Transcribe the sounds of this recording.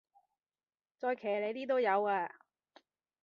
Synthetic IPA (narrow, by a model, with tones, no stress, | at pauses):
t͡sɔː˧jkʰɛː˨˩le˨˧jt̪iː˥t̪̬o˥wjɐ˨˧waː˧